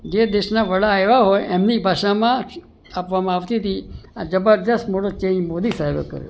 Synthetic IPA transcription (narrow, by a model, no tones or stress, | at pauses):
d͡ʒed̪eʃnaʋəɽaeʋaɦojʔɛmnibʱaʃamã | apʋamãːʋt̪it̪ʰiad͡ʒəbəɾd̪əstmoʈot͡ʃẽɲmod̪isaɦebḛkə̰ɾjo̰